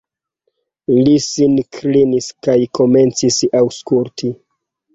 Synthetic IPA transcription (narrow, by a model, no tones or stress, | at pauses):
lisinkʰliniskajko̞me̞nt͡sisawskulti